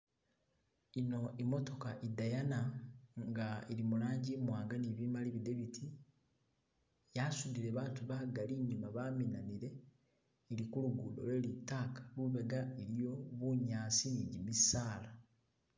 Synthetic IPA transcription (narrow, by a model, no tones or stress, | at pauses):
ino̞imo̞to̞kaʔidajanaŋɡaeɾimulaːɲɟimwaːŋɡaniβimaliβideβitʰi | jasudiɾeβaːtuβaɡaliɲumaβaːminaniɾe̞ː | ɾikuluɡulo̰lwelitakḁluβe̞ɡaeɾijo̞βuɲaːsiniɟimisaːla